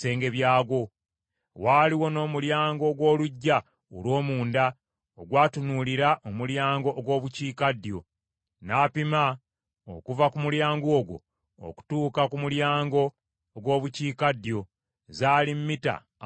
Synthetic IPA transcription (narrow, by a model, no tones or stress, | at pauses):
se̞ːŋɡe̞βjaːɡwo̞ | waːliwo̞no̞ːmuljaːŋɡo̞ɡwo̞ːluɟːa | o̰lwo̞ːmuːnda | oɡwaːtunuliɾaʔomuljaːŋɡo̞ʔːɡwo̞ːβuciːkadjo̞ | naːpima | o̰kuvakumuljaːŋɡoːɡwo̞̰ː | ku̥tuːkakumuljaːŋɡo̞ː | ɡwo̞ːβuciːkadjo̞ | zaːlimːita̰